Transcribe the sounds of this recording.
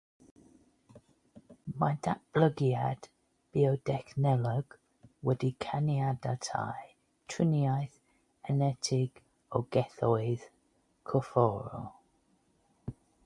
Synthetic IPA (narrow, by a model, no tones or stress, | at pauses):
madaʔb̥ləɡiad̥ | b̥iɔdɛknɛlɔɡ̥ | wɛdikʰanjadatʰa̰j | tʰwɪnjajθ | ɛnɛtʰɪɡ̥ | ɔɡɛθɔɨð̥ | kʰɔfɔɾɔ̰